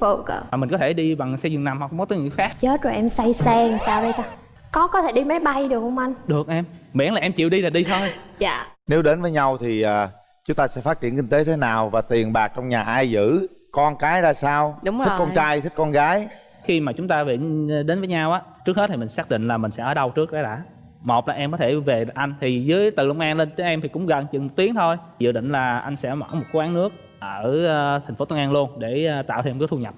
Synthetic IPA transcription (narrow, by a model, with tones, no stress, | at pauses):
fo˧˩kə̰˧˩a˨˩mi̟˨˩kɔ˨˦t̪ʰe˧˩ɗi˧ɓa˨˩ŋsɛ˧zʊ˨˩əna˨˩mha˨˩k̚ŋ͡mkɔ˦əː˨˦ŋɨ̰˧˨jxaː˦˥k̚t͡ɕəː˨˦t͡ɕṵ˨˩˨ʔɛ˧msa˧jsɛ˧ŋ˨˩saː˧wzə˧jt̪a˧˦ | kɔ˨˦kɔ˨˦t̪ʰe˧˩ɗi˧m˨˦jɓa˧jɗɨ˨˩ək̚hwŋ͡mʔa˧nɗɨ˨˩ək̚ʔɛ˧mɓɛ̰˧˥nlaː˨˩ʔɛ˧mt͡ɕḭ˧˨əwɗi˧laː˨˩ɗi˧t̪ʰo˧jja̰ː˧˨ne˨˦wɗe˨˦nvəː˨˦jɲa˧wt̪ʰi˨˩ʔaː˨˩ | t͡ɕʊ˨˦ŋ͡mt̪aː˧sɛ̰˧˥fa˦˥t̚t͡ɕḭ˧˨ənkï˧ŋ̟t̪e˨˦t̪ʰe˨˦naː˨˩wvaː˨˩t̪i˨˩ənɓaː˨˩k̚t͡ɕɔ˧wŋ͡mɲaː˨˩ʔaː˧jzɨ̰˧˥kɔ˧nkaː˨˦jzaː˧˩saː˧w̚kɔ˧t͡ɕaː˧jt̪ʰi˦˥k̚kɔ˧nɣaː˨˦j | xi˧maː˨˩t͡ɕʊ˨˦ŋ͡mt̪aː˧vḭ˧˨ən˧ɗe˨˦nvəː˨˦jɲaː˧wʔaː˨˦t͡ɕɨ˦˥k̚ht̚t̪ʰi˨mï˨˩ŋ̟saː˦˥k̚ɗḭ̈˧˨ŋ̟laː˨˩mï˨˩ŋ̟sɛ̰˧˥ʔəː˨˩˦ɗə˧wɨ˦˥ək̚ɗaː˨˦ɗa̰ː˧˥ | mo˨˩p̚laː˨˩ʔɛ˧mkɔ˨˦t̪ʰe˧˩ve˨˩ʔa˧jŋ̟t̪ʰi˨˩zɨː˨˦əjt̪ɨ̰˧˨lɨ̰˧˩wŋ͡mʔaː˧nle˧nt̪i˨˦ŋʔɛ˧mt̪ʰi˨˩kʊ̰˧˥ŋ͡mɣə˨˩nt͡ɕɨ̰˧˨nmo˨˩t̪i˨˦əŋt̪ʰo˧j | zɨ̰˧˨ɗḭ̈˧˨ŋ̟laː˨˩ʔa˧jŋ̟sɛ̰˧˥mɔ̰˧˨˩mo˨˩t̚ku˨˦wʔaː˨˦nɨ˦˥ək̚ | ʔəː˧˩˧t̪ʰa˨˩ŋ̟fo˨˦t̪ə˧˦ŋʔaː˧nlu˧ənɗe˧˩˧t̪a̰ː˧˨wt̪ʰe˧mkːt̪ʰu˧ɲə˨˩p̚